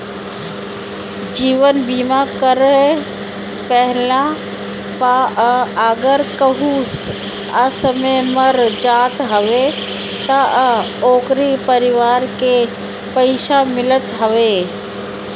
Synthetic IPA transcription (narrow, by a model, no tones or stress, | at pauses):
d͡ʒiːʋənbiːmakəɾe | pɛɦla | paəɡəɾkəɦuːs | əsəmẽməɾd͡ʒaːt̪ɦəʋe | t̪ə | oːkɾipəɾɪʋaːɾke | pəɪʃamɪlət̪ɦəʋeː